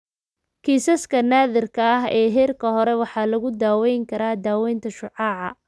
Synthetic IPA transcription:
kʰiːsɐskʰɐnaːðɪrkʰɐɐɦɛːɦɛːrkʰɐɦɔɾɛwɑħɑːlɐɣʊd̪aːwɛjŋkʰɐɾaːd̪aːwɛjnt̪ʰɐʃʊʕɑːʕɑ

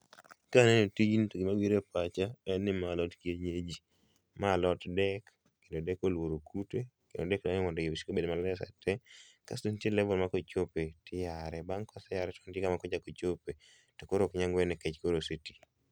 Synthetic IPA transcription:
kanenotid͡ʒintoɡɪmawiɾepat͡ʃaɛnɪmalɔtkjeɲed͡ʒi | malɔtdɛkː | endodɛkolwoɾokʰutekendodɛkdaŋɪmɔndɔjebiʃi̥kobedmalɛsa̰tʰɛ | ka̰stuntjelɛvɔlmakot͡ʃopetɪjaɾɛbaŋkɔsɛjaɾɛtɔ̥ntjekamakɔd͡ʒakot͡ʃope | tokoɾokɲaŋɡwɛnɛket͡ʃkoɾositi̥

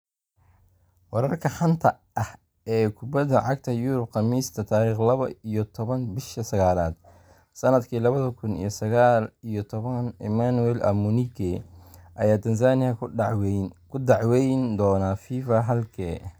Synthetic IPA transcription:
wɑɾɐrkʰɐħɐnt̪ʰɐ | ʔɐh | ɛːkʰʊbɐðɐʕɑɡ̚t̪ʰɐjʊɾʊb̚qɑmiːst̪ʰɐt̪ʰaːɾiːχlɐβɐijɔt̪ʰɔβɐnbɪʃɐsɐɣaːlaːd̪̥ | sɐnɐd̪kʰiːlɐβɐðɐkʰʊnḭjɞsɐɣaːlijɔt̪ʰɔβɐnɪ̰manuwɛlɐ̰munikʰɛʔɐ̰jaːt̪ʰɐns̬aːnɪjɐ | kʰʊd̪ɑʕwɛjnd̪ɔːnafiːfɐɦɐlkʰɛː

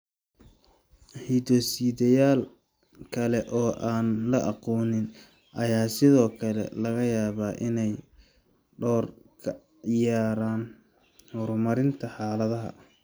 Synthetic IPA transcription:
hiːd̪ɔsiːðɐjaːl | kʰɐlɛʔɔːʔaːnlɐʔɑqɔːnɪn | ʔɐjaːsɪðɔːkʰɐlɛ̰lɐɣɐjaːβaːʔɪnɛj | ɖɔːrkʰɐ | jaːɾaːn | hɔɾmɐɾɪnt̪ʰɐħaːlɐðɐɦɐ̰

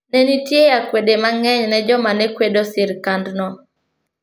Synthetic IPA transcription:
nɛnitjejakwedemaŋɛɲnɛd͡ʒɔmanɛkwedosɪɾkandnɔ

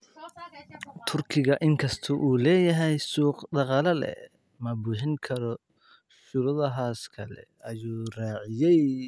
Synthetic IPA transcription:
t̪ʰʊrkʰɪɣɐʔɪŋkʰɐst̪ʰʊʔuːlɛːjɐɦɛjsuːqd̪ɑqɑːlɐlɛ̰ | mɐbuːħɪŋkʰɐɾɔ | ʃuɾʊðɐɦaːskʰɐlɛ̰ | ɐjuːraːʕɪjɛj

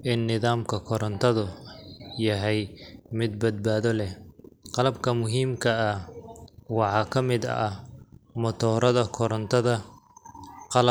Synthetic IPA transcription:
ʔɪnːɪðaːmkʰɐkʰɔɾɐnt̪ʰɐðʊ | jɐɦɛjmɪd̪̚bɐd̪̚baːðɔlɛhqɑlɐbkʰɐmʊɦiːmkʰɐɐh | wɑħɑːkʰɐmɪd̪ɐ̰ɐhmɔt̪ʰɔːɾɐðɐkʰɔɾɐnt̪ʰɐðɐ | qɑlɐ

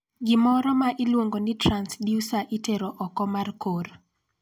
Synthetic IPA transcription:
ɡɪmɔɾɔmaʔɪlwoŋɡonɪtɾansdijusaʔiteɾɔʔɔkɔmarkoɾ

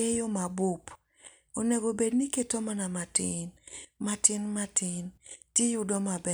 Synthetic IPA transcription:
ejomabʊp | oneɡobedniketomanamatɪ̰nmatɪnmatɪntjejʊdɔmabɛ

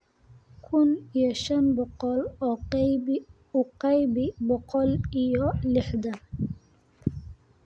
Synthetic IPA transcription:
kʰʊnijɔʃɐnbɔqɔlɔː | ʊqɑjbɪbɔqɔlijɔlɪħd̪ɐ

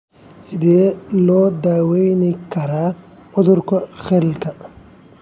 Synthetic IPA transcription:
sɪd̪eːlɔːd̪aːwɛjnikɐɾaː | ʔʊd̪ʊɾkɔxɛlkɐ

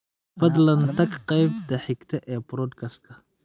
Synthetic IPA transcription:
fɐd̪lɐnt̪ʰɐɡqɛjbd̪ɐħɪɡt̪ʰɛʔɛːbɾɔːd̪kʰɐst̪̚kʰɐ

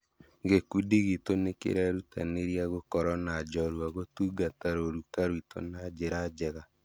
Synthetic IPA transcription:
ɡekudiɣitonekḛɾɛɾuta̰neɾjaɣokɔɾɔnad͡ʒɔɾwaɣotuːɡataɾoɾukaɾwito̰nad͡ʒeɾad͡ʒɛɣa

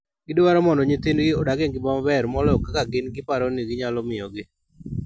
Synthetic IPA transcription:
ɡɪdɪwaɾɔmɔndɔɲit̪enɡɪɔdaɡeŋɡɪbambɛɾmɔlɔkakaɡɪnɡɪpaɾɔniɡɪɲalɔmɪjɔɡɪ

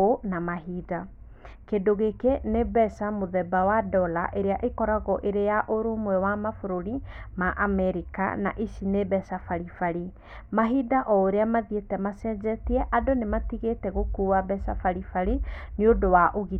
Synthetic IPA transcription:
onamaɦida | kedoɣekenebɛsamoðɛbawadɔla̰ʔeɾeaʔekɔɾaɣɔʔeɾejaʔoɾomwɛwamafoɾoɾimaʔamɛɾika̰na̰ʔiʃinebɛsafaɾifaɾi | maɦidaʔɔoɾeamaðietɛmasɛd͡ʑɛtiɛʔadonematiɣetɛɣokuːwabɛsafaɾifaɾiniodowaʔoɣi

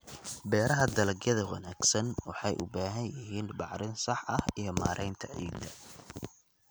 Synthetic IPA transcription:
bɛːɾɐɦɐd̪ɐlɐɡjɐðɐwɐ̰naːɡ̥sɐnwɑħɑjʔʊ̰baːɦɐnjɪɦiːnbɑʕɾɪnsɑħɐhijɞma̰ːɾʔɛjnt̪ʰɐʕḭːd̪ɐ

